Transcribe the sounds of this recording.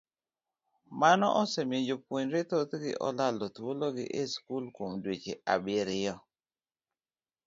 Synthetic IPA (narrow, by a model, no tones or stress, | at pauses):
manɔ̰ʔɔsemed͡ʒopwoɲɾet̪ot̪ɡɪ̰ʔɔ̰lalotwloɡɪ̰ʔeskulkomdwet͡ʃeʔa̰bɪɾɪjɔ